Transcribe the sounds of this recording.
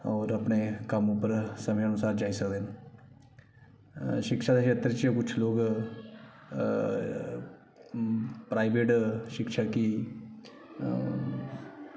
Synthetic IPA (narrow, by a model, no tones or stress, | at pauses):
ɔːɾəpneːkəmʊpːəɾsəmeənʊsaːɾd͡ʒaːisəkd̪eːn | ʃɪkʃaːd̪eːkeːt̪ɾt͡ʃkʊt͡ʃʰloːɡ | pɾaːiʋeːʈʃɪkʃaːkiː